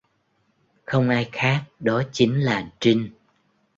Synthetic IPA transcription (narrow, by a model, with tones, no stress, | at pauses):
xə˧wŋ͡mʔaː˧jxaː˦˥k̚ɗɔ˨˦t͡ɕi˨˦ŋlaː˨˩t͡ɕï˧ŋ